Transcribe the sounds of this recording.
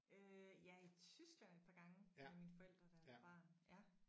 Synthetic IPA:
øjɑ̈æɐit͡sʰysɡ̥læn̰e̝d̥pʰɑ̈ːɡ̥ɑ̈ŋəeminfɒ̽el̰d̥ʁɐd̥ænfɑ̰̈jæ

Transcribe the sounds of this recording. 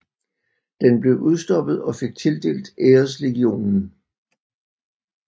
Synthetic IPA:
d̥enb̥le̝ʊʔuð̞ˠsd̥ɒ̽b̥ð̞̩ˠɒ̽fe̝ɡ̥̚t͡sʰe̝ld̥e̝̰ːld̥eːɐs̬le̝ɡ̥io̝̰ːnn̩

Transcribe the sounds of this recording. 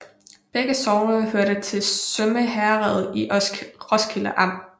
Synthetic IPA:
b̥eɡ̥əsɒʊnəhøɐɾ̥ət͡sʰe̝lsøməɦæʁɛð̩ˠiʁɒsɡ̥ʰilɐʔɑ̈m̰

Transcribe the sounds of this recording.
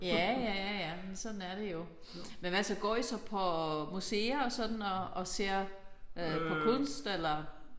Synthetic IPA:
jæjæjæjæmensɒ̽d̥n̩æɐɾ̥e̝jo̝ | menʋæsɒɡ̥ɒ̰ːisɒ̽pʰɒ̽museːɐɒsɒ̽d̥n̩ɒ̽ːse̝ːɐ̰øpʰɒ̽kʰɔnsd̥elɐ

